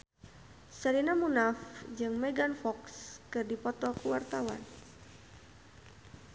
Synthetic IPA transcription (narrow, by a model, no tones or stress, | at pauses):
səɾinamunafd͡ʒɨŋmɛɡanfɔkskɨrdipɔt̪ɔkuwart̪awa̰n